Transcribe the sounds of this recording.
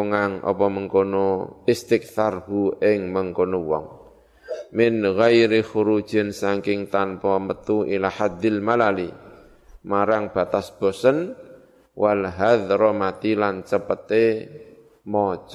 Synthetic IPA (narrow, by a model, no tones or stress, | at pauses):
ŋaŋʔɔ̰pɔməŋkonoɪst̪ɪk̚θarɦuʔɪŋməŋkonowɔ̰ŋ | mɪnɣajɾixuɾud̥ʒ̥ə̤nsaŋkɪŋt̪anpɔmət̪uʔilahad̪ɪlmalali | maɾaŋb̥a̤t̪asb̥o̤sən | wʔalɦaðɾɔmat̪ilant͡ʃəpət̪e | mɔt͡ʃ